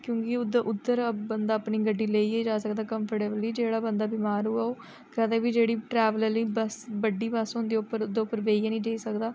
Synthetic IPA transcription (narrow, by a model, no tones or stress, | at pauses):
kjõːkɪʊd̪ʔʊt̪ːəɾbənd̪aːəpɳiːɡəɖːiːleːiːed͡ʒaːsəkd̪aːkəmpʰəɾʈeːbliːd͡ʒeːɽaːbənd̪aːbɪmaːɾuːaːoː | kɛd̪eːbiːd͡ʒeːɽiːʈɾɛːʋələliːbəsbəɖiːbəsɦõnd̪eːʊpːəɾd̪eːʊpːəɾʋeːiːɛːnĩːd͡ʒəiːsəkd̪aː